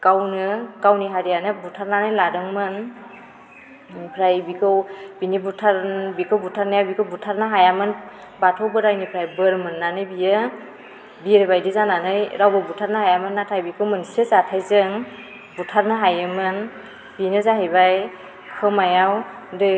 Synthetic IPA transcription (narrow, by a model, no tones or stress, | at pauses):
kawnɯkawniɦaɾijanɯbutʰaɾnanɯjladɯŋmɯn | ipʰɾajbikʰɯwbinibutʰaɾbikʰɯwbutʰaɾnajabikʰɯwbutʰaɾnɯɦajamɯn | batʰawbɯɾajnipʰɾajbɯɾmɯnːanɯjbijɯ | biɾɯbajdizananɯjɾawbɯbutʰaɾnahajamɯnːatʰajbikʰɯwmɯnsɯzatʰajzɯŋ | butʰaɾnɯɦajɯmɯn | binɯzaɦejbaj | kʰɯmajaw | dɯ